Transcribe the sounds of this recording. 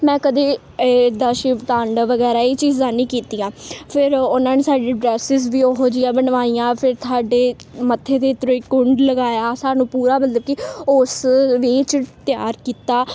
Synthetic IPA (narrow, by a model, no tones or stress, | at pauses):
mɛ̃ːkəd̪eː | d̪aːʃit̪ãːɳɖʋəɡɛːɾaːiːt͡ʃiːzãːnĩːkiːt̪iːãːpʰɪɾʊnãːneːsaːɖiːɖɾɛːsɪzʋiːoɦoːd͡ʒɪːãːbənʋaːiːãːpʰɪɾt̪ʰaːɖeː | mət̪ʰːeːd̪eːt̪ɾõːɪkʊɳɖləɡaːjaːsaːnũːpuːɾaːmət̪ləb̚kɪʊsʋiːt͡ʃt̪ɪja̰ːɾkiːt̪aː